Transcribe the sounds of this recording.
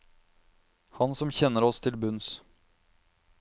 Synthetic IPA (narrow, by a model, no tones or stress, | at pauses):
hɑnsɔmçɛnːəɾɔst̪ʰɪlbʉns